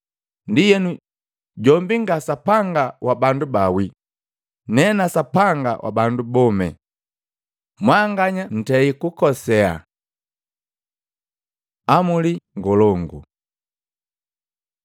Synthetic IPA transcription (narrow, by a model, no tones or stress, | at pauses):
ndijɛnu | ɟɔmbiŋɡasapaŋɡawʔabandubawi | nɛnasapaŋɡa̰wʔa̰bandubɔmɛ̰ | mwaŋɡaɲan̩tɛikukɔsɛa̰ | amuliŋɡɔlɔŋɡṵ